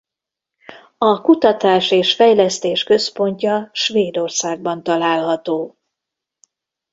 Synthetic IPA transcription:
ɒkut̪ɒt̪aːʃeːʃfɛjlɛst̪eːʃkø̞spo̞ɲcɒʃveːd̪o̞rsaːɡ̚bɒnt̪ɒlaːlɦɒt̪oː

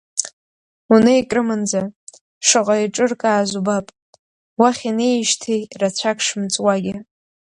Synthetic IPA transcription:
unɨikʼrɨmɨnd͡za | ʂɨqʼaiʈ͡ʂʼɨrkʼaːzubapʼ | waχʲinejʃtʰijrat͡ɕʷʰakʰʂɨmt͡sʷʼwaɡʲɪ

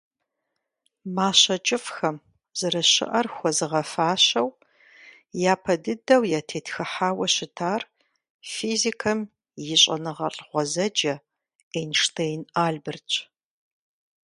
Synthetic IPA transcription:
maːɕɐt͡ʃʼɪfxɐm | z̥ɐɾɐɕɪ̰ʔɐrxʷɔzɨʁɐfaːɕɐw | jaːpʰɐdɨdɐwjaːtʰeːtxɨħaːwɐɕɪtʰaːr | fiːzikʰɐm | jɪɕʼɐnɨʁɐɬʼʁʷɔzɐd͡ʒɐ | enʂtʰejnʔaːɮbɨrt͡ʃʼ

